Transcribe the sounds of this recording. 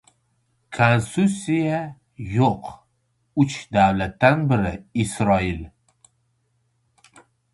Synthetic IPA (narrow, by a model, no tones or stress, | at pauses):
kʰonst̪usija | joq | ʊt͡ʃd̪awlat̪ːanbɪɾɪɪsɾɒɪl